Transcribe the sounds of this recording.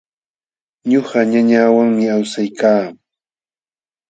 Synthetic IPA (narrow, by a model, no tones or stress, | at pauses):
ɲoɢɑɲaɲaːwaŋmɪawsajkaː